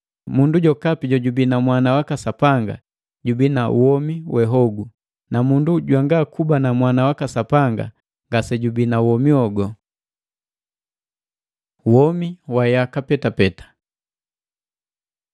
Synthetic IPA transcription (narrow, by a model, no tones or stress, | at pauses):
munduɟɔkapiɟɔɟubinamwanawakasapaŋɡa̰ | ɟubinauwɔmiwʔɛɦɔɡu | namunduɟwaŋɡakubanamwanawakasapaŋɡa̰ | ŋɡasɛɟubinawɔmiɔɡɔ | wɔmiwajakapɛtapɛtḁ